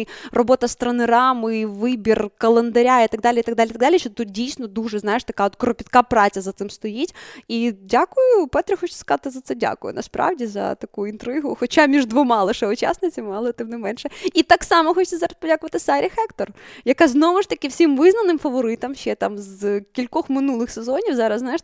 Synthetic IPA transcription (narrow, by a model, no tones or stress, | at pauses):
rɔbɔt̪ɐst̪ɾɐnɪɾɑmɨʋɪbʲirkɐlˠend̪ɐɾʲait̪ɐɡd̪alʲɪit̪ɐɡd̪alʲit̪ɐɡd̪alʲiʃɔt̪ut̪̚dʲijsʲnɔd̪uʐɛznajɪʂt̪ɐkaɔt̪kɾɔpʲɪt̪kapɾɑt͡sʲɐzɐt̪sɪmst̪ɔjitʲidʲakʊjʊpɛt̪ɾʲɪxɔt͡ʃsʲskɐzat̪ɪzɐt̪sɛdʲa̰kʊjʊ̰nɐspɾɑ̰ʋdʲizɐ̰t̪ɐkuint̪ɾɪɦʊxɔt͡ʃamʲiʐd̪ʋɔmɑlˠeʃɛʊt͡ʃa̰snɪt͡sʲɐmmɑlˠɔt̪ɪmnɛmɛnʃɛit̪ɑksɑmɔxɔt͡ʃ̪ʲɛzɑɾɐspɔdʲakʊʋɐt̪ɪsaɾʲʔixɛkt̪ɔrjɐkaznɔʋʊʂt̪ɐkʲɪwsʲimʋɪznɐnɪmfɐʋɔɾɪt̪ɐmʃɛt̪amzkʲilʲkɔxmɪnulˠɪxsezɔnʲiwzɑɾɐszaɪʃ